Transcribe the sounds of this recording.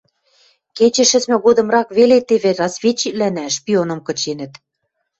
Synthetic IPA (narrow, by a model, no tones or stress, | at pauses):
ket͡ɕɘ̆ʃɘ̆t͡smɘ̆ɣod̪ɤ̆mrɑkβelet̪eβĕrɑsβʲet͡ɕːiklænæʃpʲionɤ̆mkɤ̆t͡ɕenə̆t̪